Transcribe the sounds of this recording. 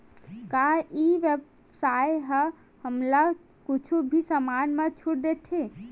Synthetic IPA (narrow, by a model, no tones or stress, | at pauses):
kaiʋeb | sajɦə | həmla | kʊt͡ʃʰubʱisəmanmẽt͡ʃʰuɽ̚d̪et̪ʰe